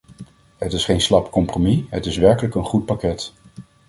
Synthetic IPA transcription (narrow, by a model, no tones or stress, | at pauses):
ɦətɪsχejnslɑpkɔmpromiɦətɪsʋɛɹkələkənχut̚pakɛt